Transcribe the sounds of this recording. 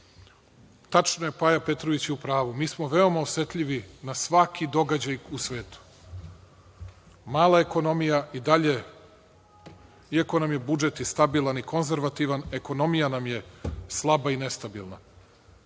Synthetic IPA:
t̪at͡ʃnoje̞pajape̞t̪ɾoʋit͡ɕeupɾaːʋumiːsmo̞ʋe̞o̞maosʋe̞t̪ʎiʋinasʋakʰid̪o̞ɡad͡ʑajusʋe̞ːt̪u̥ | maːlˠaeko̞no̞mijaid̪aʎe̞ | iako̞namje̞bud͡ʒet̪jest̪abilˠaniko̞nze̞ɾʋat̪iʋane̞ko̞no̞mijanamje̞slˠabaine̞st̪abilˠna

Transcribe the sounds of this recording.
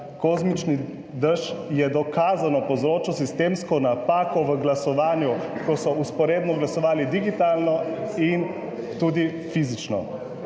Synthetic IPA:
kɔːzmit͡ʃni | d̪əʃjɛd̪ɔkaːzanɔpɔzɾoːt͡ʃɔsist̪eːmskɔnapaːkɔʋəɡlasɔʋaːnjukɔsɔuspɔɾeːd̪nɔɡlasɔʋaːlid̪iɡit̪aːlnɔin | t̪uːd̪i | fizit͡ʃnɔ̰

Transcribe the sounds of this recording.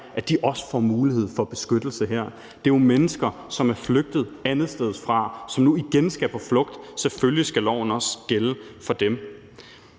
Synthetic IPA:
ʔæd̥iʔɒ̽sə̥fɒ̰ːmuːlihe̝ð̞̰ˠfɒ̽b̥e̝sɡ̥ød̥l̩səɦeɐ̰ | d̥e̝omenəsɡ̥ɐsɒ̽mæɐfløɡ̥̚d̥ð̞̩ˠænð̩ˠsd̥eð̩ˠfʁɑ̈sɒ̽mnuiɡ̥ensɡ̥æpʰɒ̽flɔ̽ɡ̥̚d̥seføljisɡ̥ælɒʊ̰n̩ɒ̽sɡ̥eləfɒ̽d̥em

